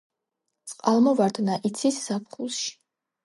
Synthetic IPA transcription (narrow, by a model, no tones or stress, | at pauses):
t̪sʼqʼalˠmɔvaɾd̪naʔit̪sʰisz̥apχulˠʃi̥